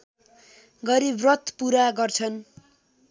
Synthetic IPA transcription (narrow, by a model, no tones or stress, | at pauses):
ɡʌɾibrʌt̪puɾaɡʌrt͡sʰʌn